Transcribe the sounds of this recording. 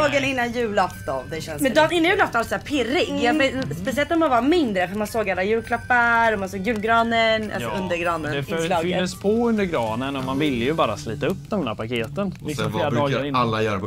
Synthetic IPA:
ɡənɪnːanjʉ̟ːlɔft̪ɔ̰nd̪ɛɛnmɛnd̪ɔnɪnːanjʉːlɔft̪ɔalsæːpʰɪɾːɪɡjɑːɡvespɛsɪɛlt̪ɔmanvɑmɪnd̪ɾəfœɾmansoːɡalːajʉ̟ːlkʰlapːaɾɔmansoːɡjʉ̟ːlɡɾɑːnənʔa̰sɔɵnd̪əɾɡɾɑːnənɛfœlɑːfʏːəspʰɔɵnd̪əɾɡɾɑːnənɔmanvɪlːəjɵbɑːɾasliːt̪aɵpːd̪ɛmd̪æːɾpakʰeːt̪ənlɪksɔmfːɾɔɾɪnalːaj

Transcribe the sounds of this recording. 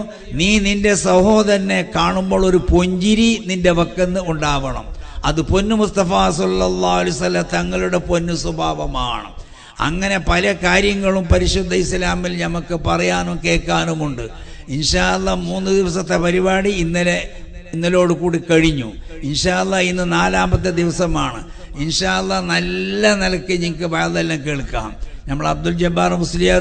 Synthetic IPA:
niːninde̞sɐho̞ːðɐɾɐnːe̞kaːɳumbo̞ːɭo̞ɾupo̞ɲd͡ʑiɾininde̞ʋɐkːenːɨuɳɖaːʋɐɳɐ̰mɐðɨpo̞nːɨmust̪ɐfaːsɐlːɐlːaːɐlɐjsɐlːɐmt̪ɐŋːɐɭuɽe̞po̞nːusɐbʱaːʋɐma̰ːɳɐ̰m | ɐ̰ŋːɐne̞pɐlɐkaːɾjɐŋːɐɭumpɐɾiʂud̪ʱːɐislaːmilnɐmɐkːɨpɐrɐjaːnokːe̞ːkːaːnumuɳɖɨ | inʂaːlˠːɐmuːnːɨd̪iʋɐsɐt̪ːe̞pɐɾibaːɽiːnːɐleinːɐlo̞ːɽɨkuːɽikɐɻiɲːṵinʂaːɐlːɐinːɨnaːlaːmbɐt̪ːɨd̪iʋɐsɐmaːɳɨ̰inʂaːɐlˠːɐnɐlːɐnɐlɐkːɨɲiŋkːɨbɐjɐlːɐlːɐmkeːɭkːa̰ːmnɐmːɐɭɐb̚d̪uld͡ʑɐbːaːrmuslijaː

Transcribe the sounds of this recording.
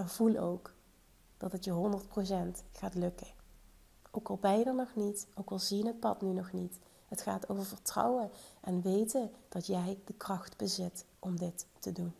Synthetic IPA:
əvulo̰wk | d̥ɑtətjəɦɔndəɹt̚pros̬ɛntχaːtlɵkə | owkɑlˠbɛjdənɔχnitowkɑlˠzijənɦət̚pɑ̰tnynɔχnit | ɦətχa̰ːtowvəɹvəɹtrɑ̰wəʔɛnʋejtəd̥ɑtjɛjdəkrɑχtbəzɪt | ʔɔmdɪtːədun

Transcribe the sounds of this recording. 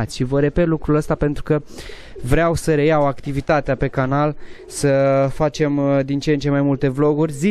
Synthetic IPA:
at̪sʲʃivəɾe̞pe̞t̪lukɾuləst̪ape̞nt̪ɾukə | vɾeawsəɾe̞jawakt̪ivit̪at̪eape̞kanal | səfat͡ʃe̞md̪int͡ʃent͡ʃe̞majmult̪e̞vlo̞ɡurʲzi

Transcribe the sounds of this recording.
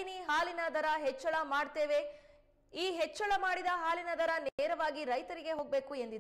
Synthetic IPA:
niɦaːlinɐd̪ʱɐɾɐɦɛt͡ʃːɐɭɐmaːɖt̪eːʋe | iːɦet͡ʃːɐɭɐmaːɽid̪ɐɦaːlinɐd̪ʱɐɾɐneːɾɐʋaːɡiɾɐjt̪ɐɾiɡe̞ɦo̞ːɡ̚be̞ːkuend̪id̪

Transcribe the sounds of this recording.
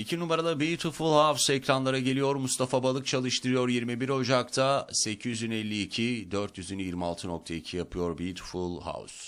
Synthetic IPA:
icʰinumaɾalˠabijt̪ʰufulˠhawsɛcɾanlˠaɾaɟe̞lʲijo̞ɾmust̪afabalˠɯk̚t͡ʃʰalˠɯʃt̪ʰɯɾɯjo̞ɾjiɾmibiɾo̞d͡ʒakt̪ʰase̞cʰyzynɛlʲːiːcʰid̪øɾt̪jyzynjiɾmia̰lˠt̪ʰɯnok̚t̪ʰaicʰijapʰɯjo̞ɾbit̪ʰu̥fulˠha̰ws

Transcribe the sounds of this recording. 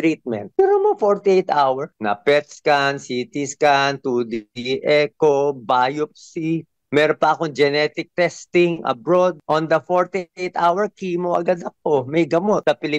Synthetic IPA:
t̪ɾit̪̚mɛ̰nt̪̚mɛɾonmɐŋfoɹt̪iʔejt̪ʔawɛɹnɐ̰pɛt̪skɐnsiːt̪ɪskɐnt̪uːd̪ʔɛkobaːjop̚si | mɛːɾonpɐʔɐkoŋd͡ʒɛnɛt̪ɪk̚t̪ɛst̪ɪŋʔɐ̰bɹod̪̚ʔond̪ɐfoɹt̪iʔejt̪awɛɹkimoʔɐ̰ɡad̪ɐk̚omɐjɡɐmo̞t̪sɐpɪlɪ

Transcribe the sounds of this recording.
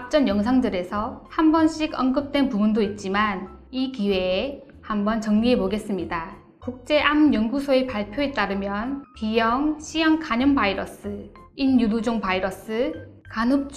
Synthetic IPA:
ap̚t͡ɕ͈ʌnjʌŋsʰaŋdɯɾe̞sʰʌhambʌnɕʰiɡʌnɡɯp̚t͈we̞npubundoit̚t͡ɕ͈iman | ikiwe̞ː | hambʌnt͡ɕʌŋɲiɦe̞boɡe̞s͈ɯmɲida | kok̚t͡ɕ͈e̞ʔamjʌŋɡusʰoe̞paɭpʰjoe̞t͈̚aɾɯmjʌnpijʌŋɕʰijʌŋkaɲʌŋbaiɾʌs͈ɯinjudud͡ʑoŋpaiɾʌs͈ɯ | kanɯp̚t͡ɕ

